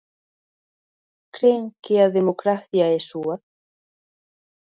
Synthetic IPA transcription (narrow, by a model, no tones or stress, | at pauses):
kɾeŋkeaðemokɾaθjaesua